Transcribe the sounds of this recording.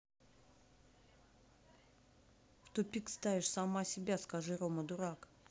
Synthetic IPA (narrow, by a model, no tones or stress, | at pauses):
ft̪ʊpʲikst̪avʲɪʂsamasʲɪbʲaskaʐɨɾoməd̪ʊɾak